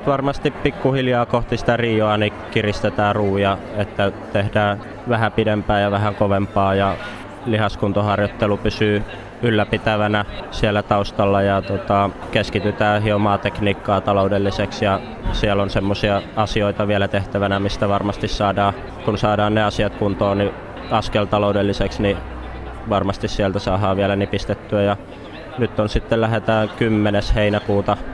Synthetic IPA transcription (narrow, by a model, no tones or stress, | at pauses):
t̪ʋɑrmɑst̪ippikːuhiljɑːkoht̪isi̥t̪æriːjoɑnikirist̪et̪æːruːjɑet̪ːæt̪ehdæː | ʋæhæpidempæːjɑʋæhæŋkoʋempɑːjɑ | lihɑskunt̪ohɑrjot̪ːelupysyː | ylːæpit̪æʋænæsielːæt̪ɑust̪ɑlːɑjɑt̪ot̪ɑkeskit̪yt̪æːɦiomɑːt̪ekniːkːɑːt̪ɑloudelːiseksjɑ | siɛlːonsemːosiɑɑsioit̪ɑʋiælæt̪eht̪æʋænæmist̪æʋɑrmɑst̪issɑːdɑː | kunsɑːdɑːnneɑsiɑt̪kunt̪oːni | ɑskelt̪ɑloudelːiseksni | ʋɑrmɑst̪issiælt̪æsɑːɦɑːʋiælænipist̪et̪ːyæjɑ | nyt̪ːonsit̪ːellæhet̪æːŋkymːenesheinækuːt̪ɑ